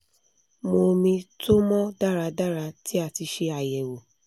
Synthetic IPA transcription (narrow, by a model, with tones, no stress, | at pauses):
mo˧mĩ˧tʰo˦mɔ̃˦da˦˨ɾa˨˧˦da˦˨ɾa˧˦ti˦a˧˨ti˧ʃe˧a˨jɛ˨wo˨